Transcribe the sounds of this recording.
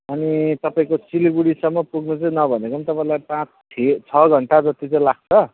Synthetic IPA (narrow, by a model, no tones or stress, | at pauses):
ʌnit̪ʌpaĩkosiliɡuɽisʌmːʌpuɡnut͡sʌĩnʌbʱʌnekoʌnit̪ʌpaĩlajpãt͡sʰet͡sʰʌɡʱʌɳʈad͡zʌt̪it͡saĩlaɡ̚t͡sʰʌ